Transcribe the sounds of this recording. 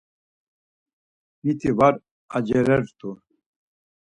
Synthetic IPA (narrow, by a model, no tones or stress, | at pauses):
mit̪ʰivaɾ | ad͡ʒɛɾɛɾt̪ʰu